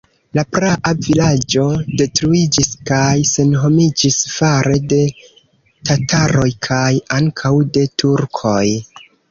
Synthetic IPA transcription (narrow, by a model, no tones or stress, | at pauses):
lapɾaʔavilad͡ʒo̞de̞tɾuid͡ʒiskajse̞nɦo̞mid͡ʒisfaɾe̞de̞ | tataɾo̞jkʰajaŋkʰawde̞tʰuɾkʰo̞j